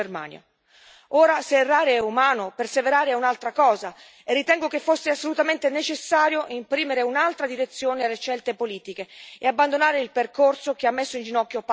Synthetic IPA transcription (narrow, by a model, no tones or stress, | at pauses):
erma̰ːnja̰ | oːɾaserːaːɾeɛumaːnoperseveɾaːɾeɛunalt̪ɾakɔːza | erːit̪ɛŋɡok̟efːosːeasːolut̪ament̪enet͡ʃesːaːɾjoʔimpɾiːmeɾeunalt̪ɾad̪iɾet̪sːjoːnealːeʃɛlt̪epoliːt̪ik̟eːabːand̪onaːɾeilperkorsok̟eamːesːoind͡ʒinɔkːjop